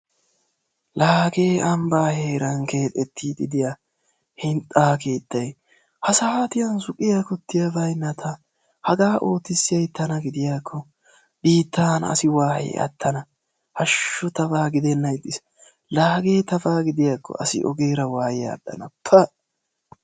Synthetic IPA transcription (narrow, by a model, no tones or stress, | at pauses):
laːɡe̞ːɐmbaːhe̞ːɾɐŋke̞ːt̪ʼɛt̪ʰːiːd̪ɪd̪ɪja | hɪnt̪ʼːaːke̞ːt̪ːɐj | hɐsɐhaːt̪ɪjɐnsʊkʼːɪjakɔt̪ːɪjɐvɐjnːɐt̪ʰɐ | hɐɡaːʔo̞ːt̪ːɪsːɪjɐjt̪ːɐnɐɡɪd̪ɪjaːkʰːɔ | biːt̪ːaːnɐ̰sɪwaːhḛʔɐ̰t̪ʰːɐnɐ | hɐʃːɔt̪ɐfaːɡɪd̪ɛnːɐjd̪ːɪs | laːɡe̞ːt̪ɐfaːɡɪd̪ɪjaːkʰːɔ̰ʔɐsɪ̰ʔɔ̰ɡe̞ːɾɐwaːjɪja̰ːd̪ːɐ̰nɐpʰːɐ